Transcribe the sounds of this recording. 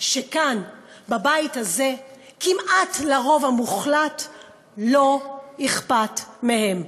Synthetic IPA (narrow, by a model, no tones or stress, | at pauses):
ʃekanbabaithaze̞ | kimʔatlaʁo̞vamuχlat | lo̞niχpatmehe̞m